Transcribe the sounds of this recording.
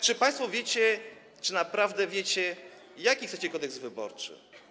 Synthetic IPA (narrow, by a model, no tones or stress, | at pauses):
t͡ʂɨpaj̃st̪fɔvʲjet͡ɕɛ | t͡ʂɘnapɾavd̪ɛvʲjet͡ɕɛ | jakʲixt̪ɛt͡ɕɛkɔd̪ɛɡzvɘbɔ̰ɾt͡ʂɘ̰